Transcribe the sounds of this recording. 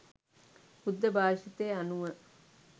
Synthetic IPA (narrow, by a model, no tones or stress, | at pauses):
pud̪ːəbʱaːʂit̪eːanuʋə